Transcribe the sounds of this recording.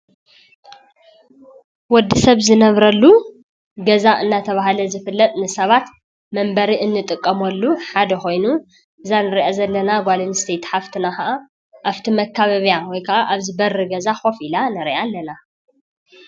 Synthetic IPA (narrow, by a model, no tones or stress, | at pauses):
wɔd̪ːɨsɐβzɨnɐβɾɐlːu | ɡɐzaʔɨnːat̪ʰɐβaɦlɐzɨfɨlːɐt̪ʼnɨsɐβat̪ | mɐmbɐɾiʔɨnːɨt̪ʼɨkʼːɐmɐlːuħad̪ɐxo̞jnu | ʔɨzanɨɾiʔazɐlːɐnaɡʷalɨnst̪ʰet̪ħaft̪ʰɨnaxɐʔa | ʔaft̪ʰimɐkʰːaβɐβjawɔjkʰɐʔaʔaβzɨbɐrːɨɡɐzaxo̞filanɨɾiʔalːɐna